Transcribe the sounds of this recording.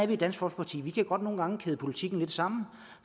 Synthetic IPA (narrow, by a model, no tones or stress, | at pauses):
æɐʋid̥æn̰sɡ̥fɒ̽l̰spʰɑ̈t͡sʰḭːʋikʰæɡ̥ɒ̽d̥no̝ːn̩ɡɑ̈ŋəkʰeð̞ˠəpʰo̝lit͡sʰiɡ̥n̩le̝d̥sɑ̈m̰n̩